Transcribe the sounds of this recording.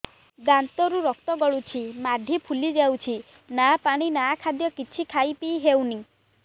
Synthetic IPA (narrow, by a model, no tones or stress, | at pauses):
d̪ant̪ɔɾuɾɔk̚t̪ɔɡɔɭut͡ʃʰimaɖ̪ʱipʰulid͡ʒawt͡ʃʰi | napaɽ̃inakʰad̪jɔkit͡ʃʰikʰajpijɦewni